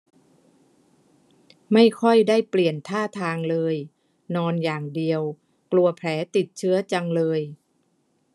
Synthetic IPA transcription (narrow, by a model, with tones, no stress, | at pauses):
ma˥˩jkʰɔ˥˩jdaː˥˩jpli˨˩ənt̪ʰaː˥˩t̪ʰaː˧ŋlɤː˧j | nɔː˧njaː˨˩ŋdi˧əw | klu˧ɐpʰlɛː˩˦t̪i˨˩t̪̚t͡ɕʰɯ˦˥ɐt͡ɕa˧ŋlɤː˧j